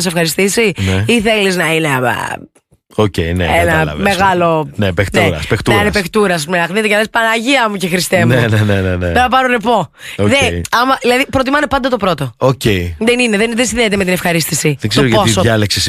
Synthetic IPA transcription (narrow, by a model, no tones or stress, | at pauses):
s̬efxɐɾist̪isineiθe̞liznɐinḛ | ocḛinḛenɐɐ̰me̞ɣɐlo̞nepektneɾɐ̰spekt̪ɾnepekt̪uɾɐsɐsɐs̬p̬umenɐxnit̪ecenɐespɐnɐʝiɐmucexɾist̪emeneneneneonɐpɐɾoɾepo̞oðeɐmɐðilɐðipɾot̪imɐnepɐnd̪ɐt̪opɾo̞t̪o̞oceiðenineðenðensinðenet̪eme̞t̪inefxɐɾist̪isiðeɡz̥st̪oɾoʝposoɐleksis